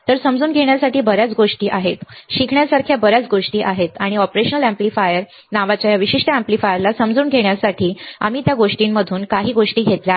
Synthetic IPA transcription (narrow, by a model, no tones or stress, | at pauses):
t̪əɾsəmd͡zuːnɡʱeɳ̃jasaʈiːbəɾat͡sɡoʂʈiːʔaɦet̪ɕikʰɳjasaɾkʰjabəɾat͡sɡoʂʈiːʔaɦet̪aɽ̃iɔpɾeɕənəlæ̃mplifajəɾ | naʋat͡ɕjajaʋiɕiʂʈəæ̃mplifajəɾlasəmd͡zuːnɡʱeɽ̃jasaʈʰiːa̰miːt̪jaɡoʂʈimːəd̪ʱuːnkaɦiːɡoʂʈiːɡʱet̪lja